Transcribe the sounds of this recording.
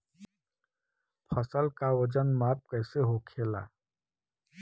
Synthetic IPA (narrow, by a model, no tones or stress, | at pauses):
pʰəsəlkawəd͡ʒənmaːp̚kɛːseɦokʰeːla̰ː